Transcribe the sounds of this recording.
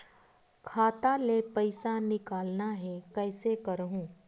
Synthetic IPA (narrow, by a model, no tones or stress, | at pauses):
kʰaːt̪alepəɪsanɪkaːlnaɦɛkɛːsekɐɾɦũː